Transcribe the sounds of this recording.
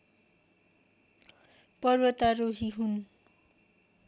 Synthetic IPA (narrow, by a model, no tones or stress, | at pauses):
pʌrwʌt̪aroɦiɦun